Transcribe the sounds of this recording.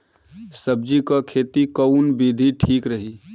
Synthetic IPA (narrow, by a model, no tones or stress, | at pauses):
səb̚d͡ʒikakʰeːt̪ikəʊnbid̪ʱiʈʰiːkɾəɦi